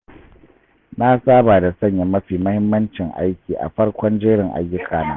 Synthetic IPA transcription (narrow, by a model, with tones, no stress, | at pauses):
na˦saː˦baː˨da˨sɐ˦˨ɲja˨mɐ˦ɸiː˨mɐ˦hɪ˦mːɐ˦nt͡ʃɪ˨ŋʔa̰˦jkʲiː˨ʔa̰˨ɸɐ˦rkʷɔ˦nd͡ʒeː˦ɽɪ˨ŋʔa̰˨jːɪ˦kʰaː˨na̰ː˦